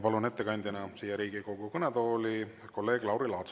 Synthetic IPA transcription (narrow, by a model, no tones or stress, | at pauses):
pɑlune̞t̪ːe̞kɑnʲd̪̥ʲinɑsijɑɾiːɡ̥ikoɡ̥ukɤnet̪o̞ːli | ko̞lːe̞ːɡ̥lɑwɾilɑːt̪s